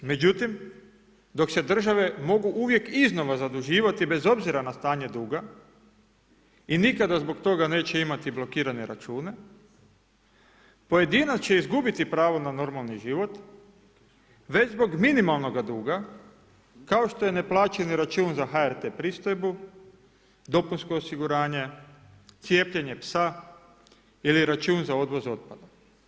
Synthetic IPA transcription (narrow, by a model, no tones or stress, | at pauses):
me̞d͡ʑut̪im | d̪o̞kse̞d̪r̩ʒaʋe̞mo̞ɡuʔuʋje̞kizno̞ʋazad̪uʒiːʋat̪ibe̞zo̞bziɾanast̪aːɲe̞d̪uːɡa | inikad̪azbo̞kt̪o̞ɡane̞ːt͡ɕe̞imat̪iblo̞kiːɾane̞ɾa̰t͡ʃuːne̞ | po̞je̞d̪iːnat̪t͡ɕe̞izɡubit̪ipɾaːʋo̞nano̞ɾmalˠniʒiʋo̞t̪ | ʋe̞t͡ɕzbo̞ɡminimalˠno̞ɡad̪uːɡa | kao̞ʃt̪o̞je̞ne̞plˠaːt͡ʃeniɾat͡ʃuːnzaɦaeɾt̪epɾist̪ojbu | d̪o̞punsko̞ːsiɡuɾaːɲe̞ | t̪sje̞ːpʎeɲe̞psa | iliɾat͡ʃuːnzao̞d̪ʋo̞zo̞t̪̚pad̪a